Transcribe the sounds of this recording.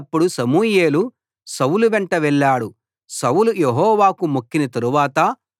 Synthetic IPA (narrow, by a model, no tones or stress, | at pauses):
pːuɽusɐmuːjeːlu | sɐwuluʋɛɳʈɐʋɛɭːaːɽu | sɐwulujeɦɔːʋaːkumokːinɐt̪ɐɾuʋaːt̪ɐ